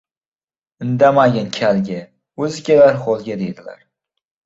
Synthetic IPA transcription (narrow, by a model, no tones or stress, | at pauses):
ɪnd̪amaɡʲankʲʰalɡʲa | ɵzɪkʲalaɾχolˠɡʲad̪ejd̪ɪla̰ɾ